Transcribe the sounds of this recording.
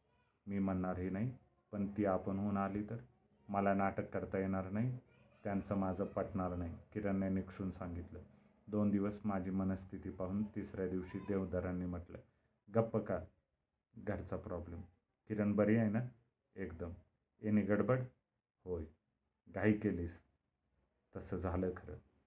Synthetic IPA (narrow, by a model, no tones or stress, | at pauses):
miːməɳːaɾɦinaɦi | pəɳt̪iːapəɳɦunaliːt̪əɾ | məlanaʈəkːəɾt̪ajeɽ̃aɾnaɦi | t̪jãnt͡səmad͡zʱəpəʈɳalnaɦikiɾənːenikʂuːnsãŋɡit̪lə | d̪ond̪iʋəsmad͡ʑʱiːmənəst̪ʰit̪iːpaɦuːnt̪isɾjad̪iʋɕiːd̪eʋd̪ʱəɾanːiːm̤əʈlə̰ | ɡəpːəka | ɡʱəɾt͡sapɾɔblem | kiɾəɳbəɾiajna | ekd̪əm | eniɡəɽbəɽ | hoj | ɡʱaikeliːs | t̪əsəd͡zʱaləkʰəɾə̰